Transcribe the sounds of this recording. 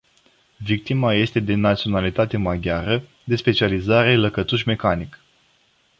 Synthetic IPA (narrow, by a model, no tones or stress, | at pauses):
vik̚t̪imaje̞st̪e̞d̪e̞nat̪sio̞nalit̪at̪e̞maɡʲjaɾə | d̪e̞spe̞t͡ʃializaɾe̞ləkət̪uʃʲme̞kanik